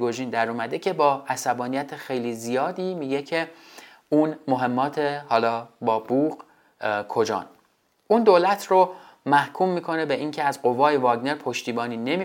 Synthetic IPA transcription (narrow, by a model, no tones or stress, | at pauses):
ɡoʒiːnd̪æɾuːmæd̪ecʰe̞bɒːæsæbɒːnijæt̪ʰexe̞jlizijɒːd̪iːmiːɟe̞cʰe̞ | uːnmoɦe̞mːɒːt̪ʰehɒːlɒːbɒːbuːɢ | kʰo̞d͡ʒɒ̰ːn | ʔund̪oːlæt̪ʰromæhkʰumːiːkʰo̞ne̞beʔiŋcʰeæzɢo̞vɒːjevɒːɡne̞ɾpʰo̞ʃt̪iːbɒːniːne̞mi